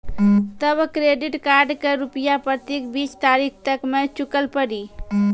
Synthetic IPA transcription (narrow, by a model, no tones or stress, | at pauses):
t̪əbkɾeɖiʈkaɾɖkeɾupjapɾət̪ikbit͡ʃt̪aɾikʰt̪əkmẽt͡ʃukəlpəɽi